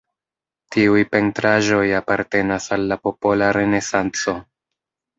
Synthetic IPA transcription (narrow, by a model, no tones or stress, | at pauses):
tiujpe̞ntɾaʒo̞japaɾte̞nasalːapo̞po̞laɾe̞ne̞sant͡so̞